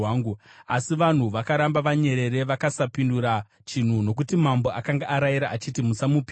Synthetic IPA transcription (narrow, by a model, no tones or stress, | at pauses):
aːŋɡuasiʋan̤uʋakaɾambaʋaɲe̞ɾe̞ɾe̞ʋakasapinduɾa | t͡ʃin̤uno̞k̬utimambo̞ʔakaŋɡaʔaɾajiɾaːt͡ʃitimusamupi